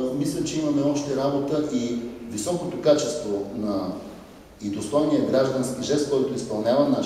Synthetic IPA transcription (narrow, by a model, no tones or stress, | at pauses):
mislʲɐt͡ʃɛimɐmɛɔʃt̪ɛɾabot̪əʔivisɔkot̪okat͡ʃɛst̪vonɐ | id̪ost̪ɔjniɐɡɾaʒd̪ɐnskiʒɛst̪̚kɔjt̪ʊispɐlˠnʲavɐna